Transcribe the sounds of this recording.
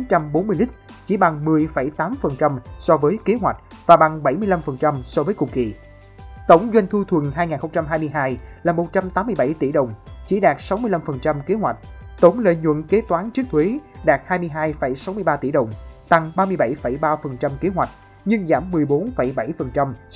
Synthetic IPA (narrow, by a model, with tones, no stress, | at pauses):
a˨˦nt͡ɕa˧mɓo˨˦nmɨ˧jlï˦˥k̟̚t͡ɕi˧˩ɓa˨˩ŋmɨ˨˩əjfə˧˩jt̪aː˨˦mfə˨˩nt͡ɕa˧msɔ˧vəː˨˦jke˨˦ɦwa˨˩jk̟̚vaː˨˩ɓa˨˩ŋɓa˧˩jmɨ˧jla˧mfə˨˩nt͡ɕa˧msɔ˧vəː˨˦jkʊ˨˩ŋ͡m̚kḭ˧˨ | t̪ə˧˩wŋ͡mzwa˧jŋ̟t̪ʰu˧t̪ʰwə˨˩ŋɦaː˧jŋaː˨˩nxə˧wŋ͡mt͡ɕa˧mɦaː˧jmɨ˧əjɦaː˧jlaː˨˩mo˨˩t̚t͡ɕa˧mt̪aː˨˦mːɨ˧jɓa˧˩jt̪ḭ˧˩ɗə˨˩wŋ͡mt͡ɕḭ˧˩ɗaː˨˩k̚sa˨˦wmɨ˧la˧mfə˨˩nt͡ɕa˧mke˨˦hwa˨˩jk̟̚t̪ə˧˩˦wŋ͡mlḛ˧˨ɲwə̰˧˨nke˨˦t̪waː˨˦nt͡ɕɨ˦˥ək̚t̪ʰwe˨˦ɗaː˨˩t̚haː˧jmɨ˧jɦaː˧jfə˧˩jsa˨˦wmɨ˧əjɓaː˧t̪ḭ˧˩ɗə˨˩wŋ͡mt̪a˨˩ŋɓaː˧mɨ˧əjɓa˧˩jfə˧˩jɓaː˧fə˨˩nt͡ɕa˧mke˨˦ɦwa˨˩jk̟̚ | ɲɨ˧ŋzaː˧˩mːɨ˨˩əjɓo˨˦nfə˧˩jɓa˧˩jfə˨˩nt͡ɕa˧m